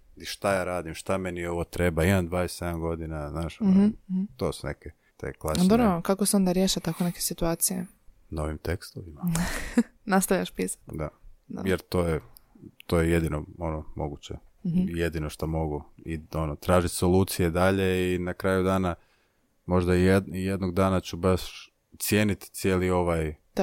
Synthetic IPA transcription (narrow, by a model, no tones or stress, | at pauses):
iʃt̪ajaːɾaːd̪imʃt̪amenio̞ʋot̪ɾe̞baimamd̪ʋaːese̞d̪amɡo̞d̪inaznaːʃ̩ | t̪oːsunḛke | t̪ḛklˠad̪oɾokakoseo̞nd̪aɾjeːʃat̪akoneke̞sit̪uaːt̪sijḛ | noʋimt̪ekst̪oʋima | nast̪aʋʎʲaʃpiːsḁt̪d̪ajeɾt̪oːje | t̪oːjeje̞d̪inoo̞nomo̞ɡut͡ɕḛje̞d̪ino̞ʃt̪amo̞ɡuio̞not̪ɾaːʒit̪ʲso̞lˠuːt̪sijed̪aʎe̞inakɾaːjud̪aːna | mo̞ʒd̪aiijed̪noɡd̪aːnat͡ɕubaʃ | t̪sje̞ːnit̪t̪sjeːlio̞ʋaj